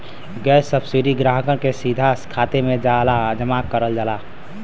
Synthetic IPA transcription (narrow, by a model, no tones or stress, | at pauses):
ɡɛːsəbsiɾiɡɾaːɦkəñkesiːd̪ʱaskʰaːt̪emẽd͡ʒalad͡ʒəmaːkːəɾəld͡ʒalaː